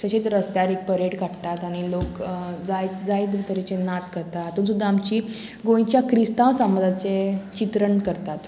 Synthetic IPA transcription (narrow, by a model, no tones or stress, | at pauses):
t͡ɕəɕet͡sɾəst̪jaɾek̚pəɾeɽkaɽt̪at̪aɽ̃ilokd͡zaj̪d͡zajd̪ʋit̪əɾit͡senaskəɾt̪aɦat̪uːnsud̪ʱːaːmt͡ɕiː | ɡõj̃t͡ɕjakɾist̪ãʋsamd͡zat͡set͡ɕit̪ɾəɳkəɾt̪at̪